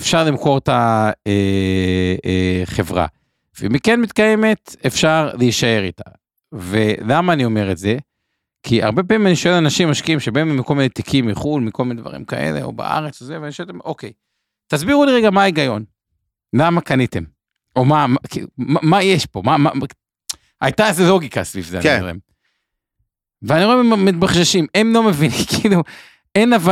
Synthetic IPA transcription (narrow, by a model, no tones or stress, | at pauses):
efʃaʁlimko̞ʁt̪ae | eχe̞vʁa̰ | vemːikenmit̪kaje̞me̞tefʃaʁleiʃae̞ʁitḁ̰ | velamaːnio̞me̞ʁetze̞ | kʰia̰ʁbe̞p̬amimaniʃoelanaʃimːaʃkiimʃebaememko̞lminet̪ikʰimːiχulmiko̞lmined̪va̰ʁḭmka̰ʔḛle̞̰o̞̰ba̰ʔa̰ʁet͡sozeveaniʃoet̪emʔo̞kej | t̪azbiʁuliʁeɡamaiɡajo̞n | lamakanit̪e̞m | ʔo̞mamakḭlṵmamajeʃpo̞mama̰ | a̰jt̪azelo̞ɡika̰svivzḛʁoḛm | veaniʁoememmːit̪baχʃaʃimemlo̞me̞vinikilu | e̞nava